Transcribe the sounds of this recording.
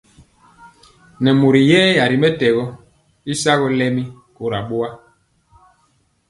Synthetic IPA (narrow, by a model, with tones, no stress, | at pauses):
nɛ˨mu˨ɾi˨jɛː˦ja˨ɾi˨mɛ˦tɛ˨ɣɔ˦ | i˦sa˦ɣɔ˦lɛ˦mi˦ | ko˨ɾa˨ɓo˦a˦